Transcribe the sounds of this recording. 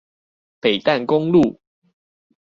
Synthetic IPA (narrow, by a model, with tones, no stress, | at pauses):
pe˨˩ɪt̪a˥˨nkʊ˦ŋlu˥˨